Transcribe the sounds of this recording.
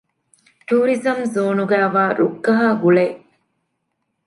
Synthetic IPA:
ʈuːɾizɐmzoːnuɡæːʋaːɾukːɐɦaːɡuɭe

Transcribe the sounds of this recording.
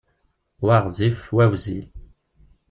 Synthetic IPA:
waʁzifwæwzi

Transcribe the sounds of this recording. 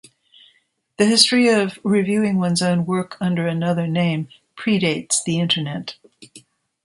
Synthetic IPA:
ðɨhɪstɹ̥iʌvɹivjʉɪ̃ŋwʌ̃nzõʊ̃nwɜ˞kʰʌ̃ndə˞ɨnʌðə˞nẽɪ̃m | pʰɹ̥iɾeɪtsðiɪ̃ntʰə˞nɛt

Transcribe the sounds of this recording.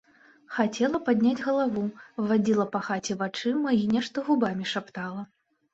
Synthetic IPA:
xat͡sʲɛlˠɐpad̪ʲnʲad͡zʲɣɐlˠavuvad͡zʲilˠɐpɐxat͡sʲɛvat͡ʂɨmɐinʲɛʂt̪ɐɣubamʲiʂapt̪alˠɐ

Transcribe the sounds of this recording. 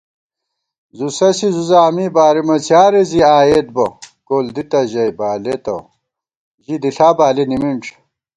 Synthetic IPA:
zusɐsizuzaːmibaːɾimɐt͡sjaːɾeziaːjet̪̚bɐ̰koːld̪it̪ɐʑɐjbaːlet̪ɐ̰ | ʑid̪iɬaːbaːlenimiɳʈ͡ʂʰ

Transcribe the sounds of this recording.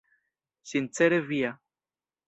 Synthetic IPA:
ɕint͡seɾevia

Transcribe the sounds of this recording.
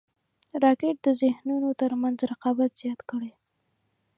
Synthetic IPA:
ɾɑkeʈ̚d̪əzɪhnunot̪əɾmanzɾaqɑbat̪z̥jɑt̪kəɽe

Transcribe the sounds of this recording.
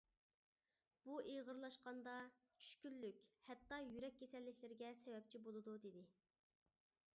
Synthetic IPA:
b̥uʔeʁəɾlˠɑʃqɑnd̪ɑ | t͡ʃʰy̥ʃkʲylːykʲhɛt̪ːɑjyɾɛk̚ʲːesɛlːɪkʲlɪɾɪɡʲɛsɛwɛp̚t͡ʃʰibolˠɨd̪ud̪ed̪ɪ

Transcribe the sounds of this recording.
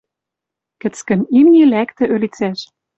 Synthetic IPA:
kɘ̆t͡skə̆mimnilækt̪ɘ̆ʔølit͡sæʃ

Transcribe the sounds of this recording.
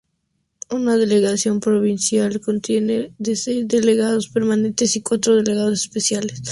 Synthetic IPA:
unaðe̞le̞ɣasjo̞mpɾo̞βinsjalko̞nt̪je̞neðe̞se̞jzðe̞le̞ɣað̞o̞spe̞ɾmanẽ̞nt̪e̞sikwat̪ɾo̞ðe̞le̞ɣaðo̞se̥spe̞sjales

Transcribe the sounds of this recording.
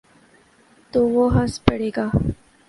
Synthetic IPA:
t̪oʋoɦəspɐɽeːɡaː

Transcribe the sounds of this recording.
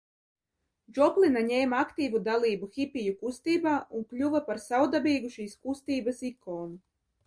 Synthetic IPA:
d͡ʒɔplˠinaɲɛːmakt̪iːvud̪alˠiːbuxʲipijukust̪iːbaːunkʎʲuvapaɾsawd̪abiːɡuʃiːskust̪iːbasikoːnu

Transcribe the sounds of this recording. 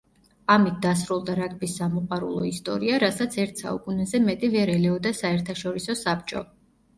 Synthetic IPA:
amit̪̚ʰd̪̥asɾulˠd̪aɾakʼbisːamɔqʼwaɾṵlˠɔ̰ist̪ʼɔɾiaɾasat̪sʰɛɾt̪ʰsa̰ṵkʼunɛzɛmɛt̪ʼivɛɾɛlɛɔd̪asaɛɾt̪ʰaʃɔɾisɔsap̚t͡ʃʼɔ̰

